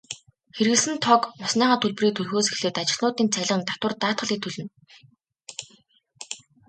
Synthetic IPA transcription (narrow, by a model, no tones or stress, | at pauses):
xeɾɣɘ̆ɮsɘ̆nt̪ʰɔkʊsniːʁaːt̪ʰuɮp̆riːt̪ʰuɮxoːse̥xɮɘ̆ːt̪at͡ɕɪ̆ɮnʊːt̪iːnt͡sʰæɮʁə̆nt̪at̪wə̆rt̪aːt̪χə̆ɮiːt̪ʰːɵɮɵ̆n